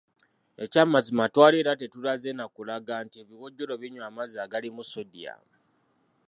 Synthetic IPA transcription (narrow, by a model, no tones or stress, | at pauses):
e̞camazimatwaːleɾate̞tulazenakulaɡantieβiɣoɟːoɾo̞βiɲwaːmaziaɡalimusodija̰